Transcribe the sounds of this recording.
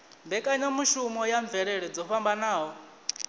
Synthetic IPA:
mbɛkʼaɲamuʃumɔjaɱb̪vɛɺɛɺɛd͡zɔɸambanaːɦɔ

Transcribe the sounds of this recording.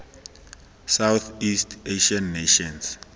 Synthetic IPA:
sawθistʰeʃanːeʃɔ̃ns

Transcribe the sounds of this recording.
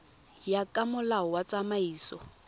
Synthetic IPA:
jakʼamʊlaɔwat͡sʼamaiːsɔ

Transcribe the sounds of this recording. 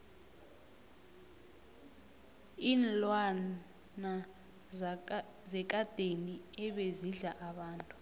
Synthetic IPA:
iːnlwa | na | zɛk̬ʼad̥ʱeniɛɓeziɮaʔaɓaːntʼu

